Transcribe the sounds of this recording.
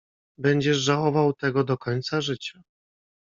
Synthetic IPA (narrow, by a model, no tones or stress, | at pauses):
bɛɲd͡ʑɛʐʐawɔvawt̪ɛɡɔd̪ɔkɔɲt̪saʐɘt͡ɕa